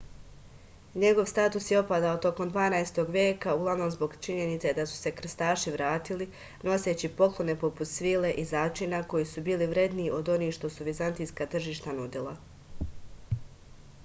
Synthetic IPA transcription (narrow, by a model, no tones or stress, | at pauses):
ɲe̞ɡo̞ʋst̪aːt̪usjo̞pad̪aot̪o̞ko̞md̪ʋaːnajst̪o̞ɡʋje̞ːkauɡlˠaʋno̞mzbo̞ɡt͡ʃiɲe̞nit̪sed̪asu̥se̞kr̩st̪aːʃiʋɾaːt̪ili | no̞se̞t͡ɕipo̞klˠo̞ne̞po̞put̪sʋiːle̞ʔizaːt͡ʃinako̞jisubiːliʋɾe̞d̪niːʔo̞d̪o̞niːxʃt̪o̞suʋizant̪ijskat̪r̩ʒiːʃt̪anud̪ilˠa